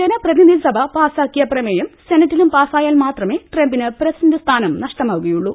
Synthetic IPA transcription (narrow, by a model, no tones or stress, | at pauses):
t͡ɕenɐprɐðiniisɐbʱɐpaːsaːkːijɐprɐmejɐmsenɐtːilumpaːsaːjaːlmaːt̪rɐme̞ːʈrembinɨprɐsindɐst̪ʰaːnɐmnɐʂʈɐmaːʋuɣɐjuɭːu